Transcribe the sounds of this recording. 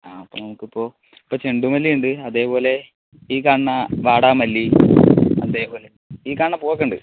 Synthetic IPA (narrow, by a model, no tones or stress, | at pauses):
aːɐpːo̰ːnɐmukːipːo̞ː | i̥pːoːt͡ɕeɳɖumɐlːijuɳɖɨɐðe̞ːpo̞ːle̞ | iːkaːɳɳɐʋaːɽaːmɐlːi | ɐ̰nd̪eːpo̞ːle | iːkaːɳːɐpoːɐk̬ːɐɳɖɨ̰